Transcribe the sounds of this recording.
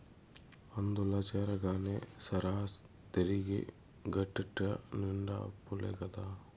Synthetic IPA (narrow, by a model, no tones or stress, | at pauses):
ɐnd̪ulɐt͡ʃeːɾɐɡaːnesɐɾaːs | t̪eɾiɡḭ | ɡɐʈːiʈːɾɐniɳɖa̰ːpːulḛɡɐd̪aː